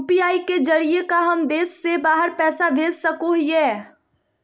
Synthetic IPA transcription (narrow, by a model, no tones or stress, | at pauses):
piaːiked͡ʒɐɾiekaɦɐmd̪eːsːebaːɦəɾpɛːsabeːzsɐkoɦiɛː